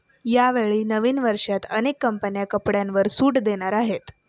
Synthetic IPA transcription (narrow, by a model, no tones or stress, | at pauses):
jaʋeɭiːnəʋiːnʋəɾʂat̪ə̰nekːəmpənjakəpɽjãnʋəɾsuːʈd̪eɽ̃aɾaɦet̪